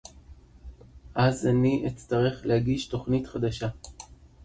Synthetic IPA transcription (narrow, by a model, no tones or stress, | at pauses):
ʔazaniʔet͡staʁe̞χlehaɡiʃto̞χnitχad̪aʃa